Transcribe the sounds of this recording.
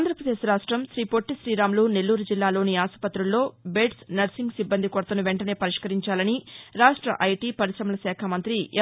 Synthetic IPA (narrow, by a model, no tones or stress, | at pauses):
nd̪ɾɐpɾɐd̪e̞ːʃɾaːʂʈɾɐmʃɾiːpo̞ʈːiʃɾiːɾaːmluːne̞lːuːɾud͡ʒilːaːlo̞ːniaːsɐ̥pɐt̪ːɾulːo̞ːbe̞ːʈsnɐɾsiŋɡsibːɐnd̪ikoɾt̪ɐnuʋeɳʈɐne̞ːpɐɾiʂkɐɾiɲt͡ʃaːlɐniɾaːʂʈɾɐʔɐjʈiːpɐɾiʃɾɐmɐlɐsɛːkʰɐmɐnt̪ɾi